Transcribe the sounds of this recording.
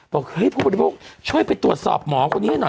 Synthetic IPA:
b̥ɔː˨˩k̚ɤ˦˥˩jpʰuː˥˩ba˨˩˧oː˦˥˩k̚t͡ɕʰu˥˩əjpa˧jt̪u˨˩ət̪̚sɔ̰ː˨˩p̚mɔː˩˦kʰo˧nːi˦˥a˧˩nɔ˨˩

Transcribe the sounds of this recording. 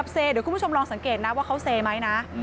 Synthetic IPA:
p̚seː˧ɾku˧˨˦t͡ɕʰmɾɔː˧ŋsa˨˩˦ŋkeː˨˩t̪̚na˦˥waː˥˩kʰa˦˥wseː˧ma˦˥jna˦˥ʔ

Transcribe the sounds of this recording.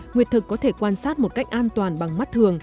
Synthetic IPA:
ŋi˨˩ət̪ʰɨ˨˩kːɔ˨˦t̪ʰe˧˩kːwaː˧nsaː˦˥t̚mo˨˩t̚ka˦˥jk̟̚ʔaː˧nt̪waː˨˩nɓa˨˩ŋma˦˥t̚t̪ʰɨ˨˩əŋ

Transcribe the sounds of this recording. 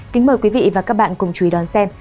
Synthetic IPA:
ki˨˦ŋ̟məː˨˩jkwi˨˦vḭ˧˨vaː˨˩kaː˦˥k̚ɓa̰ː˧˨nkʊ˨˩ŋ͡mt͡ɕu˨˧i˨˦ɗɔ˨˦nsɛ˧m

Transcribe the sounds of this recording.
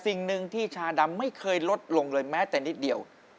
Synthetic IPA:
si˨˩ŋnɯ˧ŋt̪ʰiː˥˩t͡ɕʰaː˧da˧mːa˥˩jkʰɤː˧jlo˦˥t̪̚lo˧ŋlɤː˧jmɛː˦˥t̪ɛː˨˩ni˦˥t̪̚di˨˩əw

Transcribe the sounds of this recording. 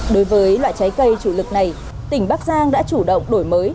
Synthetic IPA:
ɗo˨˦jvəː˨˦jlwa̰ː˧˨jt͡ɕa˨˦jkə˧jt͡ɕu˧˩lɨ˨˩k̚na˨˩j | t̪ï˧˩ŋ̟ɓaː˦˥k̚zaː˧ŋɗa̰ː˧˥t͡ɕu˧˩ɗə̰˧˨wŋ͡mɗo˧˩jməː˨˦j

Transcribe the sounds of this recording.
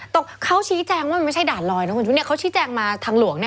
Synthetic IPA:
t̪ɔ˨˩kʰa˦˥wt͡ɕʰiː˦˥t͡ɕɛː˧ŋwaː˥˩˧ma˥˩jt͡ɕʰa˥˩jdaː˨˩t̪̚lɔː˧jnɔ˦˥ko˧t͡ɕʰːni˥˩kʰa˦˥wt͡ɕʰiː˦˥t͡ɕɛː˧ŋmaː˧t̪ʰaː˧ŋlu˨˩˦əŋni˥˩

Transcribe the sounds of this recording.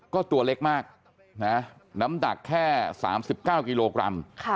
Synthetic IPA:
kɔː˥˩t̪u˧ɐle˦˥k̚maː˥˩k̚ | na˦˥na˦˥mda̰˨˩kʰːɛː˥˩sa̰ː˩˦msi˨˩p̚kaː˥˩wkiː˧loː˧kɾa̰˧mkʰ

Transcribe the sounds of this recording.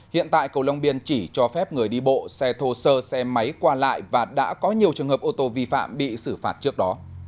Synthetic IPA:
hḭ˧˨ənt̪a̰ː˧˨jkə˨˩wla˧wŋ͡mɓi˧ənt͡ɕi˧˩t͡ɕɔ˧fɛ˦˥p̚ŋɨ˨˩əjɗi˧ɓo̰˧˨sɛ˧t̪ʰo˧səː˧sɛ˧mə˨˦jkwaː˧la̰ː˧˨jvaː˨˩ɗa̰ː˧˥kɔ˨˦ɲi˨˩əwt͡ɕɨ˨˩əŋɦəː˨˩p̚ʔo˧t̪o˧vi˧fa̰ː˧˨mɓḭ˧˨sɨ˧˩faː˨˩t̚t͡ɕɨ˦˥ək̚ɗɔ˨˦

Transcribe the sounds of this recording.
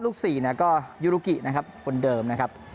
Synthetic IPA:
luː˥˩k̚siː˨˩ni˥˩ɐkɔː˥˩juː˦˥˩ɾuː˦˧˩ki˨˩nʔa˦˥kʰa˦˥p̚kʰo˧ndɤː˧mna˦˥kʰa˦˥p̚

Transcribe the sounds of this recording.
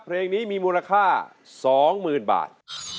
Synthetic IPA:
pʰɾeː˧ŋniː˦˥miː˧muː˧nla˧kʰaː˥˩ | sɔː˩˦ŋmɯː˨˩nba̰ː˨˩t̪̚

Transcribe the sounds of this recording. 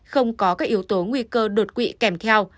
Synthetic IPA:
xə˧wŋ͡mkɔ˨˦kaː˨˦˥k̚ʔi˨˦əwt̪o˨˦ŋwi˧kəː˧ɗo˨˩t̚kwḭ˧˨kɛ˧˩mt̪ʰɛ˧w

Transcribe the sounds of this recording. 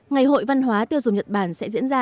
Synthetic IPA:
ŋa˨˩jɦo̰˧˨jva˧nɦwaː˨˦t̪i˧əwzʊ˨˩ŋ͡mɲə˨˩t̚ɓaː˧˩nsɛ̰˧˥zḭ˧˥ənzaː˧

